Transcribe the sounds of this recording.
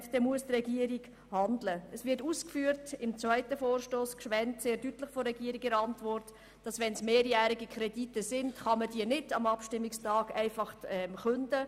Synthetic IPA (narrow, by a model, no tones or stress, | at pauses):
d̥ɛmuəstrɛɡiəɾɪɡ | hɑndləɛsvɪɾtuːskfyːəɾtɪmt͡sʋaɪtəfoːrʃtoːskʃʋɛntseːɾdytləχfɔɾːɛɡiːɾɪɡəɾɑntvɔrt | d̥ɑsʋɛnsmeːɾjæːɾɪɡikʰɾɛditəsɪndχɑmədiənɪdɑmɑpʃtɪmːɪkstɑːɡæɪfɑχtɛmχʉndə